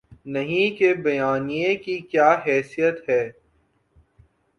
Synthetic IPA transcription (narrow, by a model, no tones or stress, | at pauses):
nɐɦĩkebɐjaːnijekikjaːɦɛːsijət̪ɦɛː